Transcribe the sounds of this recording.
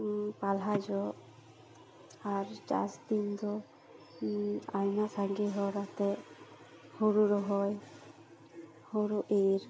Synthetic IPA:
palɦajd͡ʒɔ | aɾd͡ʒa̰st̪ind͡ʒɔ | ajnasaŋɡiɦɔɾat̪ɛ | huɾuɾɔɦɔj | hoɾuʔeɾ

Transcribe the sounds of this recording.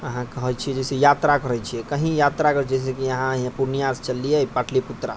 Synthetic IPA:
əɦãkəɦɛt͡ʃʰiɛd͡ʒɛsejat̪ɾakəɾɛjt͡ʃʰijɛkəɦĩjat̪ɾakəɾd͡ʒɛs̬ekiəɦãɦĩpuɾnijast͡ʃəlijɛpaʈʰliput̪ɾa̰

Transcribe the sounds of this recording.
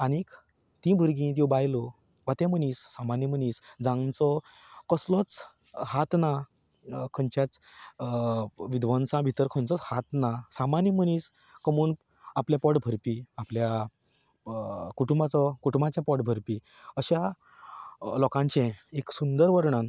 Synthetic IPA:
anik | t̪ĩbʱəɾɡĩt̪̬jɔ̃bajlɔ | ʋat̪ɛ̃m̤ənisːamanjəm̤əniːsd͡zãŋɡt͡sɔ | kəslɔt͡s | hat̪na | kʰəɲt͡ɕjat͡s | ʋid̪ʋənsãbʱit̪əɾkʰə̃nt͡sɔt͡shat̪nasamanjəmənis | kəmuːn | apljapɔʈbʱəɾpiaplja | kuʈumbat͡sɔkuʈumbat͡ɕjapɔʈbʱəɾpi | əɕa | lɔkãɲt͡ɕẽeksund̪əɾʋəɾɳan

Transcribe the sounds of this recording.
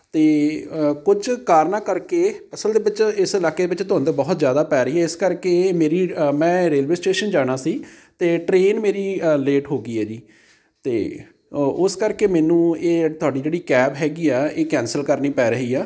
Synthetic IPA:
t̪eːkʊd͡ʒkaːɾnaːkəɾkeːəsəld̪eːʋɪt͡ʃɪsɪlaːkeːd̪eːʋɪt͡ʃt̪ʊɦãːnd̪eːbɔːt̪zjaːd̪aːpɛːɾəɦiːɛːɪskəɾkeːmeːɾiːmɛ̃ːɾeːlʋeːsʈeːʃənd͡ʒaːɽ̃aːsiːt̪eːʈɾeːnmeːɾiːleːʈɦoːɡiːɛːd͡ʒiː | t̪ḛː | ʊskəɾkeːmɛːnũːeːt̪ʊaːɖiːd͡ʒeːɽiːkɛːbɦɛːɡiːɛːeːkɛ̃ːnsəlkəɾniːpɛːɾəɦiːɛː

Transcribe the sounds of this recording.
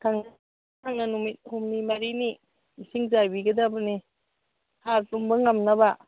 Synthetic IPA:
kʰaŋa | kʰaŋanumit̚humnimaɾini | isiŋzajbiɡɐdabɐni | hakzumbɐŋɐmnɐba

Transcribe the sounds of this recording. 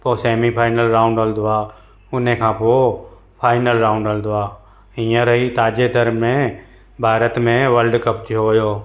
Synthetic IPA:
poseːmipʰaːɪnəlɾaːʊ̃ɳɖəld̪ʊaː | ʊnẽkʰãːpo | pʰaːɪnəlɾaːʊ̃ɳɖəld̪ʊaː | ijə̃ɾəɦit̪aːd͡ʒed̪ʱəɾmẽ | bʱaːɾət̪mẽʋəlɖkəp̚t̪iɦojoː

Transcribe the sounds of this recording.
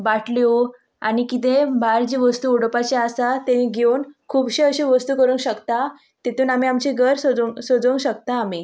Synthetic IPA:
baʈʰlew | a̰ɽ̃ikit̪̬ebaɾd͡ʑiʋəst̪uːoɽpat͡ɕaasat̪eniɡʱeunkʰuːbɕeəɕiʋəst̪uːkəɾũːŋkɕəkt̪a | t̪et̪uːnam̤iamt͡ɕiɡʱəɾsod͡zsod͡zouːŋkɕəkt̪aːmi

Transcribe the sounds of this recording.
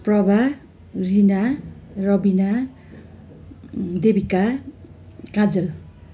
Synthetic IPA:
prʌbʱa | rinarʌbina | d̪ebika | kãd͡zʌl

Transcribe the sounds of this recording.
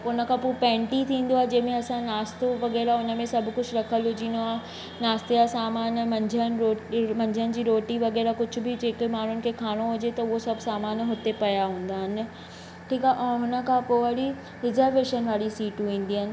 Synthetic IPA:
ʊnə̆kʰãpopɛ̃ːɳʈit̪ʰĩːn̆d̪oaːɦed͡ʑɐ̃ɦmẽɐsãnaːst̪oʋɐɣɛːɾaʊnə̆mẽsɐbʱkʊt͡ɕʰʊɾɐkʰəlʊd͡ʑĩːnd̪oaːɦe | naːst̪ijasaːmaːnmɐ̃ɲd͡ʑʱənɾoːmɐ̃ɲd͡ʑʱənɪ̆d͡ʑiːɾoːʈiʋɐɣɛːɾakʊd͡ʑʱʊ̆bʱɪd͡ʑeːkemaːɳ̤ʊnɪ̆kʰekʰaːɽ̃oɦʊd͡ʑet̪ɐʊɦosɐbʱsaːmaːnɦʊt̪epɐjaɦũːn̆d̪aːɦɪnɪ̆ | ʈʰiːkaʔɦʊnə̆kʰãpoːəɽi | ɾɪzəɾʋeːʃənʋaːlisiːʈũĩːn̆d̪iɦənɪ̆

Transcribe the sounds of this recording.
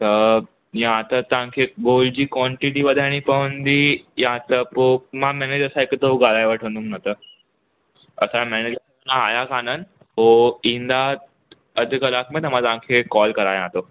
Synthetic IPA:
t̪ə | jãt̪ət̪ãkʰeɡolɖd͡ʑiːkʋɔɳʈiʈiʋəd̪ʱaɽ̃ipəʋənd̪iːjãt̪əpomãmɛned͡ʑəɾsaekt̪əuɡalajʋəʈʰə̃nd̪uŋnət̪ə | əsamɛned͡ʑəɾ | naːjakanən | ɦoĩnd̪a | əd̪ʱkəlakʰmet̪əm̤ãt̪ãkʰekɔlkəɾajãt̪o

